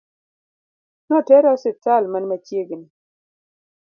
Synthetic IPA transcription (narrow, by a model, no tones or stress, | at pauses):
nɔtɛɾasɪtalmanmat͡ʃjeɡɪni